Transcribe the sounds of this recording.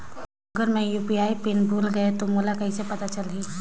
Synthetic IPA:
ɐɡəɾmɛ̃juːpiaːipɪnbʱuːlɡɐet̪omoːlakɐɦĩsepɐt̪at͡ʃɐlɦiː

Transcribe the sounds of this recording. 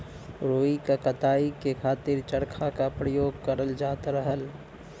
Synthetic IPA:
ɾoːikakət̪aːikekʰaːt̪ɪɾt͡ʃəɽkʰakapɾəjoːɡkəɾəld͡ʒaːt̪ɾəɦəl

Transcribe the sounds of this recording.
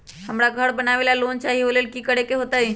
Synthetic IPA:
həmɾaɡʱəɽbənaʋelalont͡ʃaɦiʋolelkiːkəɽ̤ekeɦot̪ai

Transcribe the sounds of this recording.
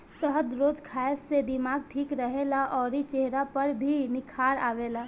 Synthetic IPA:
səɦəd̪ɾoːd͡ʒkʰaːjssed̪ɪmaːɡ̚ʈʰiːkɾəɦelaʔɔːɾit͡ʃeɦɾapəɾbʱinɪkʰaːɾa̰ːʋeːlaː

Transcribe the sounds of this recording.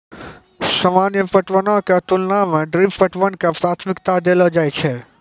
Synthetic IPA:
səmanjəpəʈʋənõkat̪ʊlnamãɖɾippəʈʋənkapɾat̪ʰmɪkt̪ad̪elod͡ʒajt͡ʃʰe

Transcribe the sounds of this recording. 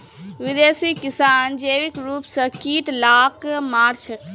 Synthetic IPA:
ʋid̪eːsikɪsaːnd͡ʒeːʋikɾuːpsɐ̃kiːʈlaːkmaːɾt͡ʃʰɐk

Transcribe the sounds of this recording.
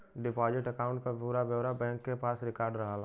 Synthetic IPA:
ɖɪpaːd͡ʒɪʈəkaːʊ̃ɳʈ̚kapuɾabjəʋɾabɛ̃ːŋkːepaːsɾɪkaːɾɖɾəɦalaː

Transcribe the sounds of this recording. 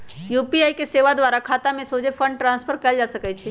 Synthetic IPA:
jupiaikeseʋad̪ʋaɾakʰat̪amẽsod͡ʒepʰə̃ɳɖʈɾãːnspʰəɾkɛld͡ʒasəkɛt͡ʃʰe

